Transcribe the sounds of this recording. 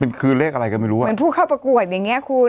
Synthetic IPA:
pe˧nkʰɯː˧nleː˥˩k̚ʔa˧ɾa˧jkɔː˥˩ma˥˩jɾuː˦˥˩npʰuː˥˩kʰa˥˩wpɾa˧ku˨˩ət̪̚ja˨˩ŋːi˦˥ɐkʰu˧

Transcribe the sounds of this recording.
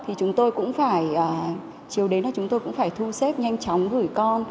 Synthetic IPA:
t̪ʰi˨˩t͡ɕʊ˨˦ŋ͡mt̪o˧jkʊ̰˧˥ŋ͡mfaː˧˩jʔəː˨˩ | t͡ɕi˨˩əwɗe˨˦naː˨˩t͡ɕʊ˨˦ŋ͡mt̪o˧jkʊ̰˧˥ŋ͡mfaː˧˩jt̪ʰu˧sɛ˦˥t̚ɲa˧jŋ̟t͡ɕɔ˨˦wŋ͡mɣɨ˧˩jkɔ˧n

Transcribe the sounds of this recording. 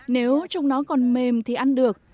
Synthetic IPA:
ne˨˦wt͡ɕa˧wŋ͡mnɔ˨˦kɔ˨˩nme˨˩mt̪ʰi˨˩ʔa˧nɗɨ˨˩ək̚

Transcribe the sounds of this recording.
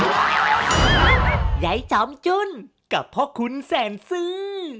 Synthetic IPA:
za˨˦jt͡ɕɔ˨˦mt͡ɕu˧˥n | ka˨˩p̚ʰhɔ˦˥kʰu˧˦nsɛ˧˩nsɨ˧˦

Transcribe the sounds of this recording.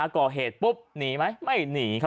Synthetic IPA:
kɔː˨˩ɦeː˨˩t̪̚pu˦˥p̚niː˩˦ma˦˥jma˥˩jniː˩˦kʰa˦˥

